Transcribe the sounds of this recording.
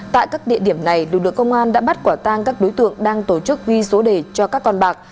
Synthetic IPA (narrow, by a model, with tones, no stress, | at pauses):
t̪a̰ː˧˨jkaː˦˥k̚ɗḭ˧əɗi˧˩əmna˨˩jlɨ̰˨lɨ̰˧˨ə˨kə˧wŋ͡mʔaː˧nɗa̰ː˧˥ɓa˦˥t̚kwaː˧˩t̪aː˧ŋkaː˦˥k̚ɗo˨˦jt̪ɨ̰˧˨əŋɗaː˧ŋt̪o˧˩t͡ɕɨ˦˥k̚vi˧so˨˦ɗe˧˩t͡ɕɔ˧kaː˦˥kːɔ˧nɓaː˨˩k̚